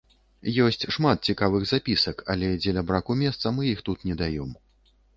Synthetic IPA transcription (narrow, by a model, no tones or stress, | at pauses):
jɔsʲt͡sʲʂmat̪̚t͡sʲikavɨɣzapʲisɐka̰lʲɛd͡zʲɛlʲɐbɾakumʲɛst̪sɐmɨjixt̪ut̪nʲɛd̪ajɔm